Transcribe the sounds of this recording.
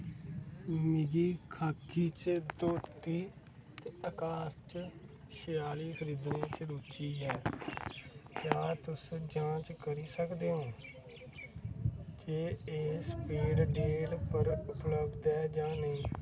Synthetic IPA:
mɪɡiːkʰaːkʰːiːt͡ʃd̪oːt̪iː | t̪eːəkaːɾt͡ʃ | ʃəjaːliːkʰəɾiːd̪nẽːt͡ʃɾuːt͡ʃiːɦɛː | kjaːt̪ʊsd͡ʒãːt͡ʃkəɾiːsəkd̪eːɦõː | d͡ʒeːeːspiːɽɖeːlpəɾʊpləbd̪ɛːd͡ʒãːnəĩː

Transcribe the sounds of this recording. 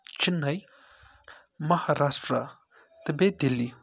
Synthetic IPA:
t͡ʃinɐj | mɐhaɾasʈɾa | t̪əbed̪ili

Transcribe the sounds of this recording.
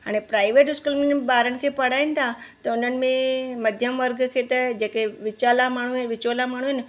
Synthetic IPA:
aɽ̃epɾaːiʋeːʈɪskulmenbaːɾəñkʰepɐɽ̤aːinɪt̪ʰat̪ɐʊnənɪ̆mẽməd̪ʱjəmʋəɾɡkʰet̪əd͡ʒekeʋɪt͡ʃalamaːɳ̤uʋɪt͡ʃolamaːɳ̤̃uɦen

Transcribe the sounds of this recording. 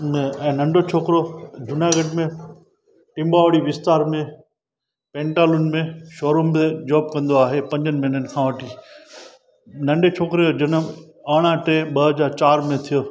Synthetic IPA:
ɛ̃ːnɐ̃ɳɖot͡ʃʰoːkɾod͡ʑʊnaːɡəɖmẽ | ʈɪ̃mbaːʋɽiʋɪst̪aːɾmẽ | pẽːɳʈaːlun̆mẽʃoːɾomed͡ʑaːb̚kɐ̃nd̪oaːɦepɐ̃ɲd͡ʑənɪmɪnənkʰãːʋɐʈʰiː | nɐ̃ɳɖet͡ɕʰoːkɾijod͡ʑɐnə | aːɽ̃ãʈẽːɓɐɦəzaːɾt͡ɕaːɾmẽt̪ʰijoː

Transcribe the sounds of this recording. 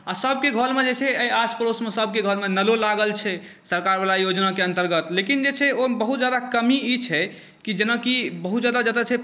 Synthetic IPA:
asəb̚keɡʱəlmed͡ʒet͡ʃʰɛəjaspəɾosmesəb̚ʱkeɡʱəlmenəlolaɡəlt͡ʃʰɛ | səɾkaɾbalajod͡ʒnakeə̃nt̪əɾɡət̪lekind͡ʒet͡ʃʰɛobəɦut̪̚d͡ʒad̪akəmiit͡ʃʰɛ | kid͡ʒenakibəɦut̪d͡ʒad̪ad͡ʒat̪at͡ʃʰɛ

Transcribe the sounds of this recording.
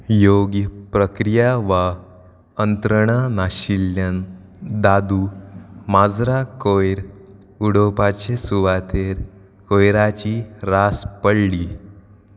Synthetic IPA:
joɡjəpɾəkɾijaʋa | ənt̪ɾəɳ̃ənaɕiljən | d̪ad̪umad͡zɾakojɾ | uɽopat͡ɕesuʋat̪ʰeɾ | kojɾat͡ɕiɾaspəɽli

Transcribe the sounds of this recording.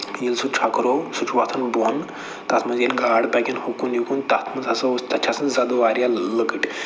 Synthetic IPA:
jilsut͡ʃʰakɾosut͡ʃʰuʋat̪ʰɐnbon | t̪at̪ʰmɐzilɡaːɽbɛɡʲinhokunjukunt̪at̪ʰmɐzasəst̪at͡ʃʰasɐnzad̪oʋaːɾjaləkəʈ

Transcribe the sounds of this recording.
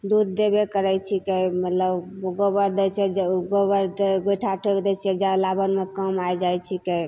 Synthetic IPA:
d̪ud̪̚ːebekəɾɛjt͡ʃʰikemət̪ləbɡobəɾd̪et͡ʃʰɛd͡ʒɡobəɾd̪eɡoʈʰaʈʰəkd̪ɛt͡ʃʰd͡ʒalabənmekəmajd͡ʒajt͡ʃʰike

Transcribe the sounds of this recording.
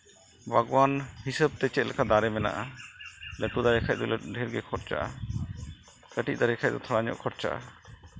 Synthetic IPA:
bʱaɡwanhisəb̚t̪ɛt͡ʃɛt̪̚lʔɛkʰad̪aɾɛmɛna̰ʔa | ləʈud̪aɾɛkʰac̚d̪ɔlɖʱɛɾɡɛkʰɔɾt͡ʃa̰ʔa̰ | kəʈiʔ̚ˀd̪aɾɛkʰac̚d̪ɔt̪ʰɔɽaɲɔ̰ʔkʰɔɾt͡ʃa̰ʔa̰

